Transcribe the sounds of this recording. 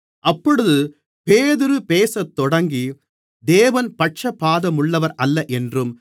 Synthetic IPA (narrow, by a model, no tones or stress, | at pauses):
ʔɐpːɔɽɯðɯ | peːðɪɾɯpeːsɐt̪ːɔɽɐŋɡi | d̪eːʋɐnpɐʈ̚t͡ʃɐpːaːðɐmʊɭːɐʋɐɾʔɐlːɐʔɛndrɯm